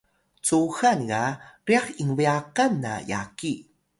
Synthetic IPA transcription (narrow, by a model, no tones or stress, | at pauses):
t͡suxanɣaɾiaχiŋwijakanːa̰ja̰ki